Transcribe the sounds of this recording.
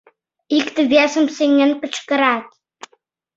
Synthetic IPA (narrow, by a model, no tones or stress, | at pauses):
ikt̪ə̆βʲesə̆mseŋʲːɘ̆npə̆t͡ɕkɤ̆ɾɑt̪̚